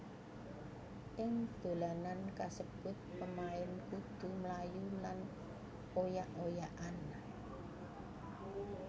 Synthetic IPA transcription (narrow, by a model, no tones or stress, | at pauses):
ʔɪŋd̪̥o̤lanankasəb̥ʊt̪̚pəmaɪnkud̪̥ṳmlajulan | ojaʔojaʔan